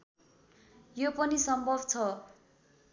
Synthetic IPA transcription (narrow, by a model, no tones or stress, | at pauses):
jopʌnisʌmbʱʌbt͡sʰʌ